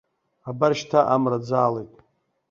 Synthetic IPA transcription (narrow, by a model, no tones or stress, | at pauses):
abarʃtʰaʔamrad͡zaːlejtʼ